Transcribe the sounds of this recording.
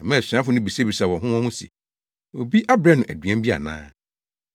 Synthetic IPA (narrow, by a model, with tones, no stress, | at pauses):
ã˨mɛ̃˦˨sᶣã˦fʊ˨nʊ̃˦bi˨se˦bi˨sa˨wɔ̃˨ɦʊ̃˦wɔ̃˦hʊ̃˦sɛ̰˨ | wo̰˨bi˦ʔa˦bɾã˦nʊ̃˨ʔæ˨dɥɛ̃˦mbi˦a̰˨nã̰ː˦